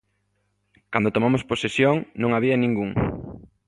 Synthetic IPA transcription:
kand̪ot̪omamʊsposesjoŋnõŋaβiɐnĩŋɡuŋ

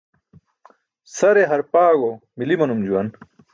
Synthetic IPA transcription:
sɐɾeɦɐɾpaːɡomilimɐnumd͡ʑuwɐn

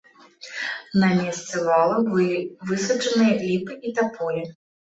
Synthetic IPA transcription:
nɐmʲɛst̪sɛvalˠɐbɨlʲivɨsɐt͡ʂɐnɨjɐlʲipɨit̪apɔjɛ

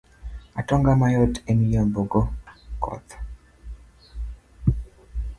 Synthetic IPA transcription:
atɔŋɡamajotenijomboɡɔkɔ̰t̪

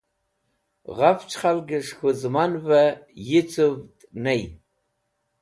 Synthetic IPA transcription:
ʁaft͡ʃʰχalɡɪʂxʷʊzmanvajɪt͡sʰɨvtʼnej

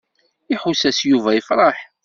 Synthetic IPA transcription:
ɪħusæsjuvæjəfɾˤɑħ

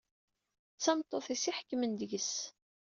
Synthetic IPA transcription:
t͡sːɑmt̪ˤːoθisiħə̥kːmənd̪əʝəs

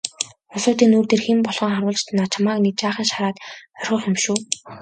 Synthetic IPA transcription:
χʊsʊːt̪iːnuːrt̪erximpɔɮʁɞ̆ːŋχaɾwʊːɮt͡ɕt̪ʰnaːt͡ɕʰamaːknit͡ɕaːχĭːŋʃaɾaːt̪œrʲχɞ̆χemʃuː

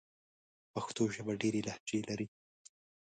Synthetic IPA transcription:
paxt̪oʒabaɖeɾelahd͡ʒelaɾi

